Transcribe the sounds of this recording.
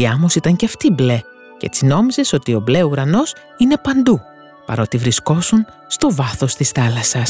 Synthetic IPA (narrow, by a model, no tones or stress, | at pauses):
iɐmosit̪ɐɲceɐft̪ible̞ | ce̞̰t͡sino̞mize̞so̞t̪io̞ble̞uɾɐno̞s | ine̞pɐnd̪u | pɐ̰ɾo̞t̪ivɾisko̞sun | st̪o̞vɐθo̞st̪isθɐlɐsɐs